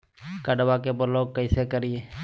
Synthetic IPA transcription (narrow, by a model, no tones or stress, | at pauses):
kəɖwakebəɾloːɡ̚kəisekəɾieː